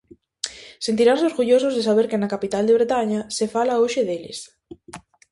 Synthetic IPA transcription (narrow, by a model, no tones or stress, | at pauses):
sent̪̬iɾansoɾɣuʎosʊzðesaβ̞eɾkɪnakapit̪ald̪eβɾet̪aɲasefalaoʃɪðelɪ̰s